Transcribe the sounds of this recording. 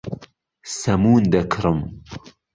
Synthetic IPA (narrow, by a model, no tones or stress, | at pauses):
sɐmuːnd̪ɐkʰɾɨm